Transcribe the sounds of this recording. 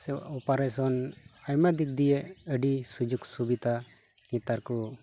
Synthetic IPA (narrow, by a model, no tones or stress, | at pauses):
sɛa̰ʔɔpaɾɛsɔnajmad̪ik̚d̪ijɛəɖisud͡ʒuksubit̪a | ŋit̪aɾku